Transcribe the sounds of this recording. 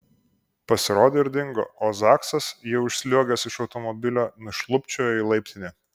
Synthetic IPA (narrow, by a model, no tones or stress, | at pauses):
pɐsʲɪɾoːd̪ʲeːɪɾʲd̪ʲɪŋɡo̰ːozɑːksɐsjiʊʃʲsʲlʲuɔɡʲɛsɪʃɒʊt̪ɔmɔbʲɪlʲoːnʊʃlˠʊpʲt͡ʃʲoːjilˠɐɪpʲt̪ʲɪnʲeː